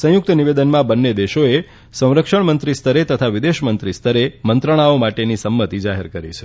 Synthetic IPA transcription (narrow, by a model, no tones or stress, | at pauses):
sə̃jʊk̚t̪əniʋed̪ənmãbənːed̪eʃoe | sə̃w̃ɾəkʃəɳmənt̪ɾist̪ʰəɾet̪ət̪ʰaʋid̪eʃmənt̪ɾist̪ʰəɾemənt̪ɾəɽ̃aomaʈenisəmːət̪id͡ʒaɦeɾkəɾḭt͡ʃʰe̥